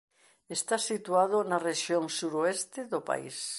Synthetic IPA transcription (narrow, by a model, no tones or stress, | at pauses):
est̪asit̪uað̞onareʃjoŋsuɾoest̪eðopa̰ḭs